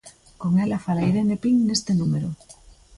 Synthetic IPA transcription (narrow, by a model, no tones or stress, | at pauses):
koŋelafalajɾenepiŋne̞st̪enumeɾo